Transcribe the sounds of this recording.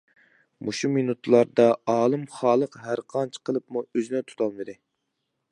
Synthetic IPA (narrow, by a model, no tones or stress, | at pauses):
muʃuminut̪lˠɑɾd̪ɑɑːlˠɨmχɑːlˠəqɦæɾqʰɑnt͡ʃʰqʰəlˠəpmuøzinɛt̪ʰu̥t̪ʰɑlvɨd̪ɪ